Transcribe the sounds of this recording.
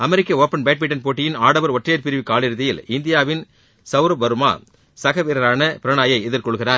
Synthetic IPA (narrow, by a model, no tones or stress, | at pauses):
ɐmɛɾɪkːɐoːpːɐnbeːʈ̚mɪʈːɐnpoːʈːɪjɪnaːɽɐʋɐɾɔʈrɐjɐɾpɪɾɪʋɪkːaːɭɪɾɯðɪjɪlɪnd̪ɪjaːʋɪn | sɐʋɾɐbɐɾɯma̰ː | sɐɣɐʋiɾɐɾaːnɐpɪɾɐɳaːjɐɪɪðɪɾkɔɭɣɪraːɾ